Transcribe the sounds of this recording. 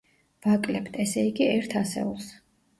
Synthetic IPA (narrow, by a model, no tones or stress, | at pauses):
vakʼlɛbd̪aɛsɛiɡiɛɾt̪ʰasɛ̰ulˠs